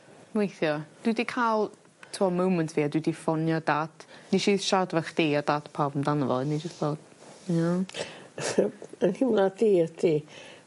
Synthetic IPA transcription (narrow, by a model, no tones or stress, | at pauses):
nwejθjɔd̥widikʰalˠ | tʰuɔmowməntʰv̥iːadwidifɔnjɔd̥atʰniʃiːðʃadvɛχd̥iɔdatʰpʰawvəmdanəvɔ̰lˠnid͡ʒəstðɔːd̥ | ja | ənhimladiːətʰi